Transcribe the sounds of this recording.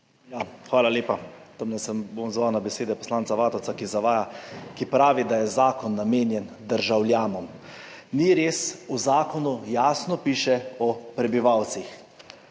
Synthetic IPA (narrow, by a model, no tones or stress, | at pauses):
jaxʋaːlaleːpat̪omnɛsəmbomzʋaːwnabɛseːd̪ɛpɔ̥slaːnsaʋaːt̪ɔw̪sakizaʋaːjakipɾaːʋid̪ajɛzaːkɔnːameːnjɛn | d̪əɾʒawljaːnɔm | niɾeːsuzaːkɔnujaːsnɔpiːʃɛɔpɾɛbiʋawt̪six